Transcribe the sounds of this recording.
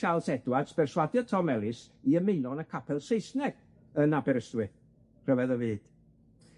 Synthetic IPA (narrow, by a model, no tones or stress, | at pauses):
ʃalˠsɛdwadsb̥ɛrswadjɔtʰɔmɛlˠɪs | iəmejnɔnəkʰapʰɛlˠsejsnɛɡ̥ | ənabɛɾəstwɨ | r̥əvɛðəvɨːd̥